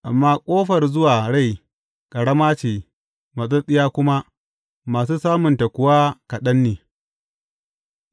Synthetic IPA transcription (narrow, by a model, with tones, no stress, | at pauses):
ʔa˨mːaː˦kʷʼoː˦ɸɐ˨rzʊ˦waː˨ɽa˦˨j | kʼɐ˨ɽɐ˦maː˦t͡ʃeː˨ | mɐ˨s̬ɐ˦sʼɪ˦jaː˦kʷʊ˦ma˦ | maː˨s̬uː˦saː˦mʊ˨nta˨kʷʊ˨waː˦kɐ˨ɗɐ˦nːeː˨